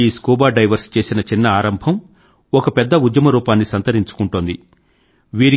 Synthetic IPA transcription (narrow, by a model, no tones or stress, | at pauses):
iːskuːbaːɖɐjʋɐɾst͡ʃe̞ːsinɐt͡ʃinːɐaːɾɐmbʱɐm | ɔkɐpɛd̪ːɐud̪jɐmɐɾuːpaːnːisɐnt̪ɐɾiɲt͡ʃu̥kuɳʈund̪i | ʋiːɾi